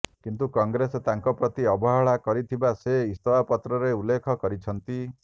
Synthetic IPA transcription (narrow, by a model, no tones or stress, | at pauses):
kint̪ukɔŋɡɾesɔt̪aŋkɔpɾɔt̪iɔbɔɦaɭakɔɾit̪ʰibaseist̪ɔwapɔt̪ɾɔɾeulːekʰɔkɔɾit͡ʃʰɔnt̪i